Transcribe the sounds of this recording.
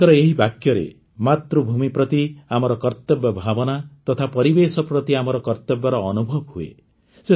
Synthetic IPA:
ɔɾɔeɦibakjɔɾḛ | mat̪ɾubʱumipɾɔt̪iamɔɾɔkɔɾt̪ɔbjɔbʱabɔnat̪ɔt̪ʰapɔɾibesɔpɾɔt̪iamɔɾɔkɔɾt̪ɔbjɔɾɔːnubʱɔbɦuḛ | se

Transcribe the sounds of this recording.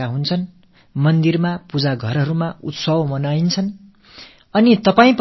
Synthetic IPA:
aɦunt͡sʰʌn | mʌnd̪irmapud͡zaɡʱʌrɦʌɾumaut̪sʌbmʌnajnt͡sʰʌn | ʌnit̪ʌpaĩp

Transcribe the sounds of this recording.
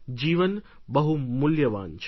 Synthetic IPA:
d͡ʑiːʋɐn | bɐɦumʊljɐʋa̰ːnt͡ʃʰ

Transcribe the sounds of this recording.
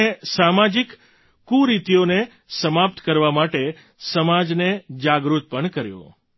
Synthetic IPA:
esamad͡ʒikː | uɾit̪ijone | səmap̚t̪kəɾʋamaʈe | səmad͡ʒned͡ʒaɡɾut̪̚pəɳkəɾjõ̰

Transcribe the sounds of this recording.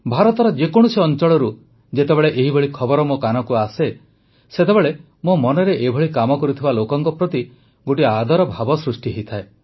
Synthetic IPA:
bʱaɾɔt̪ɔɾɔd͡ʒekoɽ̃useɔnt͡ʃɔɭɔɾu | d͡ʒet̪ebeɭeʔeɦibɔɭikʰɔbɔɾɔmokanɔkuase | set̪ebeɭe | momɔnɔɾeʔebʱɔɭikamɔkɔɾut̪ʰibalokɔŋkɔpɾɔt̪i | ɡoʈiad̪ʱɔɾɔbʱabɔsɾusʈiɦejt̪ʰae

